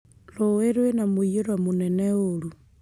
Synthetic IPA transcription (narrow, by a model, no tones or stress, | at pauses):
loweɾwenamujeɾwamuneneolu